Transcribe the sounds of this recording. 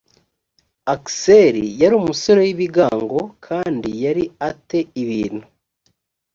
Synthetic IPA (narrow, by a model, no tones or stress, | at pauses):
akseɾijaɾiːmuso̞ɾo̞jiβiɡaːŋɡo̞kʰaːndijaɾiate̞iβiːn̥hu